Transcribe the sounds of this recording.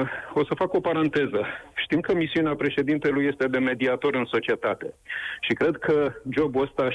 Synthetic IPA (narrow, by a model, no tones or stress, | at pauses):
o̞səfako̞paɾant̪e̞zəʃt̪imkəmisiuneapɾe̞ʃe̞d̪int̪e̞luje̞st̪e̞d̪e̞me̞d̪iat̪o̞ɾɨnso̞t͡ʃie̞t̪at̪e̞ʃikɾe̞d̪̚kʰəd͡ʒo̞buəst̪a